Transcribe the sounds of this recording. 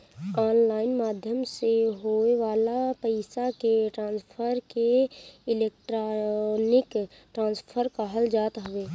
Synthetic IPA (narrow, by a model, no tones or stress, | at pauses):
aːnlaːɪnmaːd̪ʱjəmseɦoeʋaːlapəɪsakeʈɾãːnspʰəɾkeɪleːk̚ʈɾnɪk | ʈɾãːnspʰəɾkaɦəld͡ʒaːt̪ɦəʋeː